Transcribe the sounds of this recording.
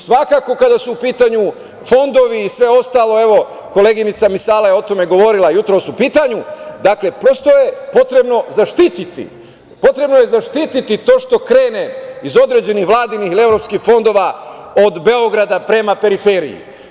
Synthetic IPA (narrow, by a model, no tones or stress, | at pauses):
sʋakaːko̞kad̪asuːpiːt̪aɲu | fo̞nd̪o̞ʋiːsʋe̞o̞st̪aːlˠo̞e̞ʋo̞ | ko̞le̞ɡinit̪samisaːlajeo̞t̪ome̞ɡo̞ʋo̞ɾilˠajut̪ɾo̞supiːt̪aɲud̪akle̞pɾo̞st̪o̞je̞po̞t̪ɾe̞bno̞zaʃt̪iːt̪it̪ḭ | po̞t̪ɾe̞bno̞je̞zaʃt̪it̪it̪it̪o̞ːʃt̪o̞kɾe̞ːne̞izo̞d̪ɾe̞d͡ʑe̞nixʋlˠaːd̪inixilie̞ʋɾo̞pskixfo̞nd̪o̞ːʋao̞d̪be̞o̞ɡɾad̪apɾe̞mape̞ɾifeɾḭjḭ